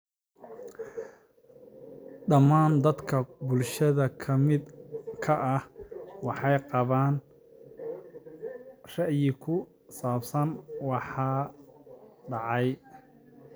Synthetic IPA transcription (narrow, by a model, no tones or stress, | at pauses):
ɖɐmaːnd̪ɐd̪kʰɐbʊlʃɐðɐkʰɐmɪd̪kʰɐʔɐhwɑħɑjqɑβaːn | rɛjɪkʰʊ | saːfsɐnwɑħɑː | ɖɑʕɑj